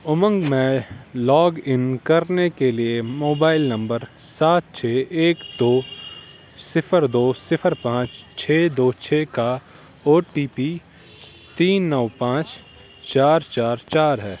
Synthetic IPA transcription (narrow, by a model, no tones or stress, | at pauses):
ʊmə̃ŋɡmẽlɔːɡɪnkɐɾnekeliemoːbaːɪlnɐ̃mbəɾsaːt̪̚t͡ʃʰeːeːkd̪oː | sɪpʰəɾd̪oːsɪpʰəɾpãːt͡ʃt͡ʃʰeːd̪oːt͡ʃʰeːka | oːʈiːpiː | t̪iːnːəʋpãːt͡ʃ | t͡ʃaːɾt͡ʃaːɾt͡ʃaːɾɦɛː